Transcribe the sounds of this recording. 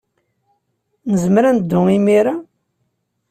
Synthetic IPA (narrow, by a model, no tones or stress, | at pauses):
nəzməɾænd̪ːʊimiɾa